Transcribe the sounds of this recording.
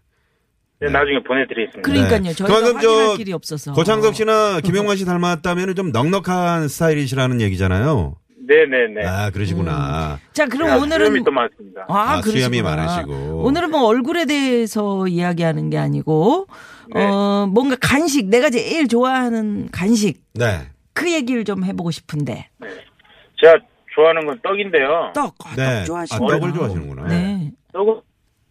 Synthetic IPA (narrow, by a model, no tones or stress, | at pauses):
nenad͡ʑuŋepone̞tɯɾies͈ɯmikɯɾʌɲik͈aɲot͡ɕʌkɯmankʰɯmt͡ɕʌiɾiʌp̚s͈ʌsʰʌkot͡ɕʰaŋs̬ʰʌk̚ɕ͈inakimjʌŋɡaɕ̬ʰitaɭmat̚t͈amjʌnɯnt͡ɕomnʌŋnʌkʰansʰɯ̥tʰaiɾiɕ̬ʰiɾanɯnje̞ɡid͡ʑa̰na̰jo̰ | ne̞ne̞neakɯɾʌɕʰiɡona̰t͡ɕakɯɾʌmonɯɾɯnmit͈omas͈ɯmɲidaakɯujamima̰ɾa̰ɕʰiɡo̰onɯɾɯnmʌʌɭɡuɾe̞de̞esʰʌiaɡiɦanɯnɡe̞a̰ɲiɡo | ʌmwʌnɡakanɕ̬ʰik̚ne̞ɡat͡ɕeiɭt͡ɕoaɦanɯnkanɕ̬ʰik̚ne̞̰ | kɯje̞ɡiɾɯɭt͡ɕomhe̞boɡoɕʰi̥pʰɯnde̞̰ne | t͡ɕa | t͡ɕoaɦanɯnɡʌnt͈ʌɡinde̞jot͈ʌk̚anet͡ɕoaɕaʌɡɯɭt͡ɕoaɕinɯ̰nɡo̰na̰ne̞tʌɡu